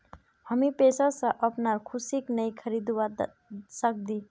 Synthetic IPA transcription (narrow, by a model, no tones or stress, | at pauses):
həmipesasə̃ʔəpnaɾkʰusiknəjkʰəɾid̪wa | sək̚d̪i